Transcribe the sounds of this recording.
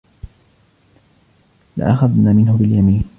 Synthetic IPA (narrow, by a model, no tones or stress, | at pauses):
lɪ̰ʔaxaðnaːmɪnhʊbɪljamiːn